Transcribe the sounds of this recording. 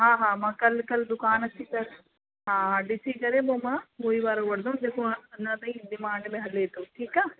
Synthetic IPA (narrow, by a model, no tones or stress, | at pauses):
ɦaːɦaːmɐkɐlːkɐld̪ukaːnɐsisɐɾ | ɦaːɦaɖisiːkɐɾeːboːmaoːjʋaːɾɐʋɐɽd̪ɐmd̪ekuɐnːɐt̪ɐid̪imaːɳɖɐleɦɐleːt̪uʈʰiːkaː